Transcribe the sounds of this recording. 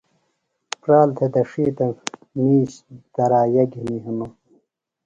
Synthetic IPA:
pɾaːlt̪ʰed̪ɐʂiːt̪ɐ | niːɕd̪̥ɐɾaːjɐɡiniɦimu

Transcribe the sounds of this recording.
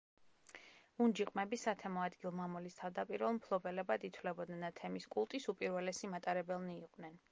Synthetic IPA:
und͡ʒiqʼmɛbisat̪ʰɛmɔad̪ɡilˠmamɔlist̪ʰavd̪apʼiɾvɛlˠmpʰlˠɔbɛlɛbad̪it̪ʰwlɛbɔd̪nɛnat̪ʰɛmiskʼulˠt̪ʼisupʼiɾvɛlɛsimat̪ʼaɾɛbɛlˠniːqʼvnɛn

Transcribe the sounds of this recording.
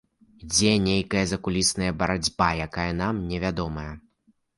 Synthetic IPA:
id͡zʲɛnʲejkɐjɐzɐkulʲisnɐjɐbɐɾad͡zʲbajakajɐn̪amnʲɛvʲad̪ɔmɐjɐ

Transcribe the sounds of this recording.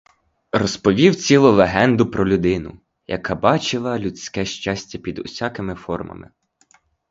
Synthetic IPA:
rɔspɔʋʲiwt͡sʲilˠʊlˠeɦɛnd̪ʊpɾɔlʲʊd̪ɪnʊ̰ | jɐ̰kɑbɑt͡ʃɪlˠɐlʲusʲkɛʃt͡ʃɑsʲtʲɐpʲid̪ʊ̰sʲɑkɪmɪfɔrmɐ̰mɪ̰

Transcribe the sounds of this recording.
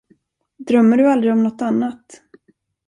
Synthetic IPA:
d̪ɾœmːəɖɵald̪ɾɪɔmnɔt̪ːanːat̪

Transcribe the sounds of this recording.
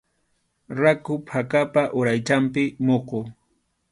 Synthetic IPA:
ɾakʊpʰakapaʔʊɾajt͡ʃampɪmoqo

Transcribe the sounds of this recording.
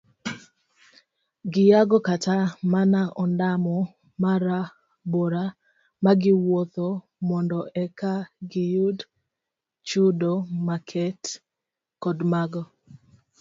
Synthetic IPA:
ɡɪjaɡɔkatamanaʔɔndamɔ | maɾa | boɾa | maɡɪwot̪o | mɔndɔʔɛkaɡɪjʊd | t͡ʃʊdomakʰɛt | kɔdmaɡɔ

